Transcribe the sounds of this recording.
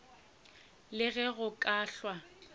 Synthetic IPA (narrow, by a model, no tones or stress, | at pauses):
lɪɣɛɣʊkʼaːɬwa